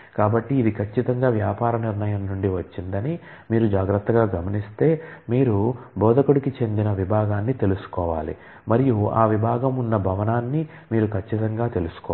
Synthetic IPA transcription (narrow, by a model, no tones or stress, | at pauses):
kaːbɐʈːiːd̪ikʰɐt͡ʃːit̪ɐŋɡaːʋjaːpaːɾɐniɾɳɐjɐmnuɳɖiʋɐt͡ʃːind̪ɐni | miːɾud͡ʒaːɡɾɐt̪ːɐɡaːɡɐmɐnist̪e̞ːmiːɾubʱɔːd̪ɐkuɽikit͡ʃe̞nd̪inɐʋibʱaːɡaːnːit̪e̞lusu̥kɔːʋa̰ːlḭ | mɐɾijua̰ːʋibʱaːɡɐmunːɐbʱɐʋɐnaːnːi | miːɾukʰɐt͡ʃːit̪ɐŋɡaːt̪e̞lusu̥kɔ